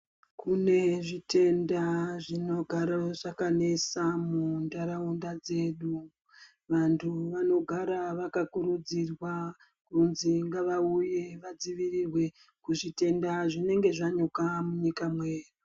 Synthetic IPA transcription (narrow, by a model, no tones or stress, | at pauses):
kʰune̞ʐite̞ndaʐino̞ɡʱaɾaʐakane̞samundaɾaundad͡ze̞ːɗu | ʋantʰuʋano̞ɡʱaɾaʋakakuɾud͡zirwa | kuunziŋɡaʋauje̞ʋad͡ziʋirirwe̞ | kuʐite̞ndaʐine̞ŋɡe̞ʐaɲokamuɲikamweːri